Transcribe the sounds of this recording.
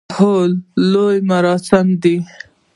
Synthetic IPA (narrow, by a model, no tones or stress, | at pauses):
holːojmaɾɑsɪmd̪i